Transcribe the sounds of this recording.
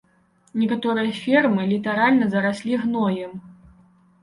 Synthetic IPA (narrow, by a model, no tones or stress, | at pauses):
nʲɛkat̪ɔɾɨjɐfʲɛrmɨlʲit̪aɾalʲnɐzɐɾasʲlʲiɣnɔjɛm